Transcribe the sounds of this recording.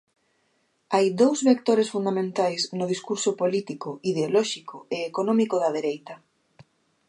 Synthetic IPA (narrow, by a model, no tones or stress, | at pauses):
ajd̪owzβek̚t̪oɾesfund̪amẽnt̪ajsnʊð̞iskuɾsopolit̪ikʊiðeolɔʃikoeːkonɔmikoðɐðeɾejt̪ɐ